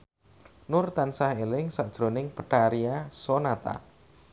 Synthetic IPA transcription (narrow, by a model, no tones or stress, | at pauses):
nʊrt̪ansahelɪŋsaʔd̥ʒ̥ɾonɪŋpəʈaɾiasonat̪a̰